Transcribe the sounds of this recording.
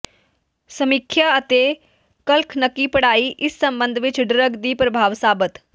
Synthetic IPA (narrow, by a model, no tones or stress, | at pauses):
səmikʰjaət̪e | kəlkʰnəkːiːpɐɽaːiʔɪsːɐmbənd̪ʱʋit͡ʃɖɪɾəɡd̪iːpɾɐbʱaːʋsaːbət̪